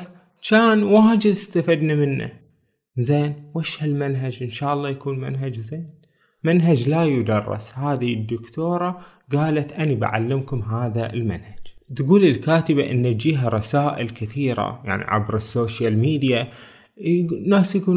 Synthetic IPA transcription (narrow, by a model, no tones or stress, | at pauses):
t͡ʃaːnwaːd͡ʒɪd̪ɪst̪afid̪namɪnːa̰ | zeːnwaʃhalmanɦad͡ʒʔɪnʃaːʔɑlˤːɑːjakuːnma̰nɦad͡ʒzeːn | manɦad͡ʒlajʊd̪ɑrˤːɪ̰shaːðid̪ːʊkt̪oːɾˤɑ | ɡaːlat̪ʔaniba̰ʕa̰lːɪmkʊmɦaːðaɪ̰lma̰nhad͡ʒ | t̪ɡuːlɪlkaːt̪ɪbaʔɪnːad͡ʒiːɦaɾˤɑsaːʔɪlkɪθiːɾa̰ja̰ʕnḭʕa̰bɾɪsːoːʃjalmiːd̪ja | nːaːsjakuː